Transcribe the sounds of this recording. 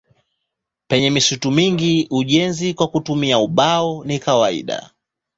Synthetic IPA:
pɛɲɛmisutumiŋɡiuʄɛnzikwakutumiauɓaɔnikawaḭɗa̰

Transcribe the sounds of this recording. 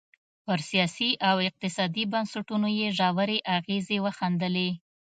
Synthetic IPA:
pəɾsijɑsiʔawɪq̚t̪ɪsɑd̪ibansaʈunojeʒɑwəɾeʔaɣezewəxand̪əle

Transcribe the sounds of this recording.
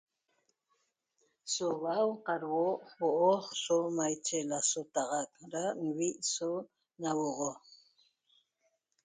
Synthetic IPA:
soβawqɑɾwoʔwoʔoχsomajt͡ʃelasot̪ɑʁɑk̚ɾanwiʔso | nawoʁo

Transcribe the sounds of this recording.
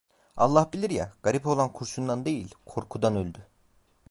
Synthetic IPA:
alˠːahbilʲiɾja̰ɡ̥aɾipo̞lˠankʰuɾsund̪and̪e̞jilʲkʰo̞ɾkʰud̪anølʲd̪y

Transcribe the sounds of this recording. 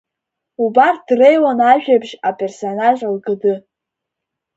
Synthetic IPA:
ubar̚d̥rejwanaʒᶣabʃapʼe̞rsonaʒalɡɨdɨ

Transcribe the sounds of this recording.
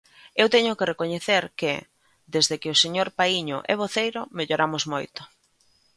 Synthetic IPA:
ewt̪ɛɲʊkerekoɲeθeɾkɪ | d̪ezðekɪoseɲoɾpaiɲʊ̰ʔɛβ̞oθejɾʊmeʎoɾamʊzmojt̪ʊ̥

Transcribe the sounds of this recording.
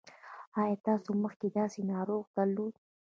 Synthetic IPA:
ɑjɑt̪ɑsoməxked̪ɑsenɑɾoɣd̪aɾlod̪

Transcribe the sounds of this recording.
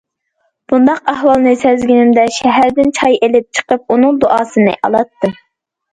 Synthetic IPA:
b̥und̪ɑqæhwɑlˠnɨsɛzɡʲinɪmd̪ɛʃɛɦæɾd̪ɪnt͡ʃʰɑjelɪp̚t͡ʃʰə̥qəp̚unɨŋd̪oʔɑːsɨnɨ̰ʔɑ̰lˠɑt̪ːɨ

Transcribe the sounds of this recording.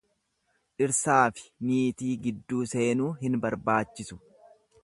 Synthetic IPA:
ᶑɪɾsaːfɪ̥miːt̪iːɡɪd̪ːuːse̞ːnuːɦɪnbɐɾbaːt͡ʃːɪsʊ̥

